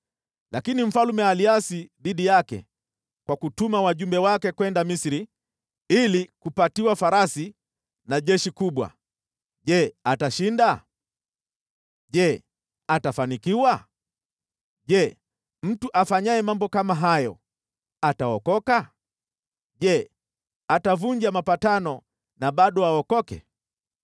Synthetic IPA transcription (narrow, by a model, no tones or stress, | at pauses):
lakinim̩falumɛaliasiðiɗijakɛ̰ | kwakutumawaʄumbɛwakɛkwɛndamisiɾi | ilikupatiwafaɾasi | naʄɛʃikuɓwa̰ | ʄɛataʃinda | ʄɛ | atafanikiwa | ʄɛ | m̩tuʔafaɲaɛmambɔkamaɦajɔ | ataɔkɔka | ʄɛ | atavuɲd͡ʒamapatanɔ | naɓaɗɔaɔkɔkɛ̰